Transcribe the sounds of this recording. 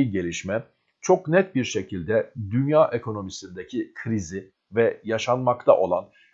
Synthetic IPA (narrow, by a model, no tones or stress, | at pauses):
iɟe̞lʲiʃmɛ | t͡ʃʰo̞knɛt̪̚biɾʃe̞cʰilʲd̪ɛd̪ynjaːʔekʰo̞no̞misind̪ecʰikʰɾizɪ | vɛjaʃanmakt̪ʰa̰ʔo̞lˠan